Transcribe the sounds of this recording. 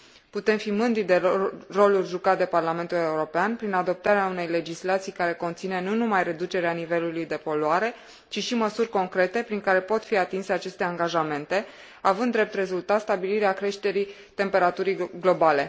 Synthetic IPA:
put̪e̞mfimɨnd̪ɾid̪e̞ro̞lulʲʒukat̪̚d̪e̞parlame̞nt̪ule̞uɾo̞peanpɾinad̪o̞p̚t̪aɾeaune̞jle̞d͡ʒislat̪sijkaɾe̞ko̞nt̪sine̞nunumajre̞d̪ut͡ʃe̞ɾeanive̞lulujd̪e̞po̞loaɾe̞ | t͡ʃiʃiməsurʲko̞ŋkɾe̞t̪e̞pɾiŋkaɾe̞po̞t̪fiat̪inse̞at͡ʃe̞st̪e̞aŋɡaʒame̞nt̪e̞ | avɨnd̪ːɾe̞p̚t̪re̞zult̪at̪st̪abiliɾeakɾe̞ʃt̪e̞ɾi | t̪e̞mpe̞ɾat̪uɾiɡlo̞bale̞

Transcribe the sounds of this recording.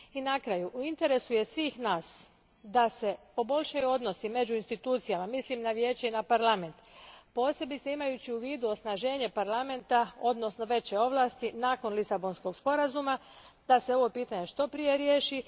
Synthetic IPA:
inakɾajuʔuint̪e̞ɾe̞suje̞sʋiːxnaːs | d̪ase̞ | o̞bo̞ʎʲʃajuo̞d̪no̞sime̞d͡ʑuinst̪it̪uːt̪sijamamislimnaʋje̞ːt͡ɕeinapaɾlˠame̞nt̪po̞ːse̞bit̪seimajut͡ɕiuʋiːd̪uo̞snaʒe̞ːɲe̞paɾlˠame̞nt̪ao̞d̪no̞sno̞ʋe̞t͡ɕe̞o̞ʋlˠaːst̪inaːko̞nlisabo̞nsko̞ɡspo̞ɾazuma | d̪ase̞o̞ʋo̞piːt̪aɲe̞ʃt̪o̞pɾije̞ɾje̞ːʃi

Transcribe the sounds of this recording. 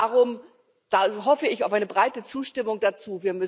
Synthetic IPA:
ʁʊm | d̥aɦɔfəɪçaʊfaɪnəbʁaɪtət͡suːʃtɪmʊŋd̥at͡suːviːɐmʏ

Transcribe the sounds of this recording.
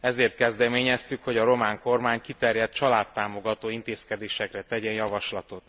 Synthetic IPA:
ɛzeːrt̪kɛzd̪ɛmeːɲɛst̪ykho̞ɟɒɾo̞maːŋko̞rmaːɲkit̪ɛrjɛt̪̚t͡ʃɒlaːt̪ːaːmo̞ɡɒt̪oːint̪eːskɛd̪eːʃɛkrɛt̪ɛɟɛjɒvɒʃlɒt̪o̞t̪

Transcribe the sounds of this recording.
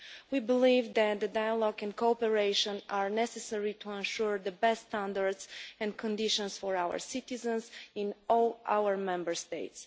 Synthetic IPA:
wibɪlivdæt̪̚d̪ədajəlɔɡɛ̃nkʰopəɹeɪʃə̃naɹnɛsɛsɛɹitʰuɛ̃nʃuɹðəbɛstːt̪æ̃ndəɹdzɛ̃nkʰɔ̃ndɪʃɔ̃nsfɔɹawə̰ɹsɪt̪ɪzə̃nzɪ̃nɔlˠʔa̰wəɹmɛ̃mbəɹst̪eɪts

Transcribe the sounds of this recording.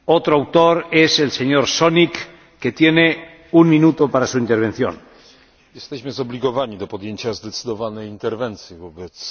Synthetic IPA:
ot̪ɾoawt̪oɾeselseɲoɾsonikː | et̪jene | uŋmĩnut̪opaɾasuint̪eɾβ̞e̞nθjo̰n | jɛst̪ɛɕmɘzɔblʲiɡɔvaɲid̪ɔpɔd̪jeɲt͡ɕazd̪ɛt̪sɨd̪ɔvanɛjint̪ɛɾvɛnt̪sʲjivɔbɛs

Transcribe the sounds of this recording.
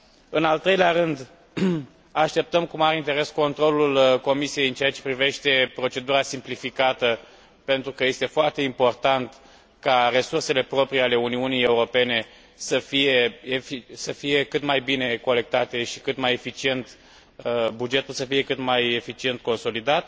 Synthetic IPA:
ɨnalt̪ɾe̞jleaɾɨnd̪ | aʃt̪e̞p̚t̪əmkumaɾint̪e̞ɾe̞sko̞nt̪ɾo̞lulko̞misie̞jɨnt͡ʃeat͡ʃe̞̥pɾive̞ʃt̪e̞pɾo̞t͡ʃe̞d̪uɾasimplifikat̪ə | pent̪ɾukəje̞st̪e̞foart̪e̞impo̞rt̪ant̪ | kare̞surse̞le̞pɾo̞pɾiale̞uniunijeuɾo̞pe̞ne̞ | səfije̞efisəfije̞kɨt̪majbine̞ko̞le̞k̚t̪at̪e̞ʃi̥kɨt̪majefit͡ʃie̞nt̪ | bud͡ʒe̞t̪ulsəfije̞kɨt̪maje̞fit͡ʃie̞nt̪̚ko̞nso̞lid̪at̪

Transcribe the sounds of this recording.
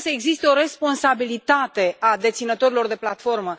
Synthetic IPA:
səe̞ɡzist̪eo̞ɾe̞spo̞nsabilit̪at̪e̞ad̪e̞t̪sinət̪o̞ɾilo̞rd̪e̞plat̪fo̞rmə

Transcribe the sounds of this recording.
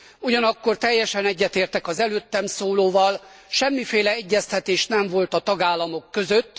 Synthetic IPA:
uɟɒnɒkːo̞rt̪ɛjːɛʃɛnɛɟːɛt̪eːrt̪ɛkɒzɛløːt̪ːɛmsoːloːvɒl | ʃɛmːifeːlɛɛɟːɛst̪ɛt̪eːʃnɛɱvo̞lt̪ɒt̪ɒɡaːlːɒmo̞kːøzøt̪ː

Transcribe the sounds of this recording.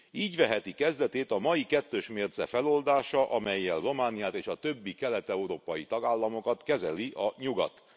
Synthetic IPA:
iːɟʋɛɦɛt̪ikɛzd̪ɛt̪eːt̪ɒmɒjikɛt̪ːøːʃmeːrzɛ̰fɛlo̞ld̪aːʃɒʔɒmɛjːɛlro̞maːnijaːt̪eːʃɒt̪ø̞bːikɛlɛt̪ɛuɾoːpɒjit̪ɒɡaːlːɒmo̞kɒt̪kɛzɛliʔɒɲuɡɒ̰t̪

